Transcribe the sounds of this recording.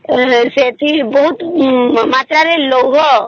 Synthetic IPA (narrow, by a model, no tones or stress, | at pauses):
set̪ibɔɦʊt̪maːt̪ɾaɾeloɦɔ